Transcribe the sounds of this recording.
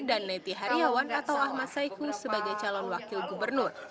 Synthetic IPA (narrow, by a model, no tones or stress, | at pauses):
danːɛt̪iɦaɾiawanat̪awahmat̪saikusəbaɡajt͡ʃalɔnwakilɡubərnʊr